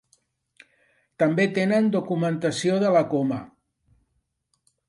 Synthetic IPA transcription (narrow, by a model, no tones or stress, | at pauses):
t̪ambet̪enənd̪ukumənt̪asioðəlakoma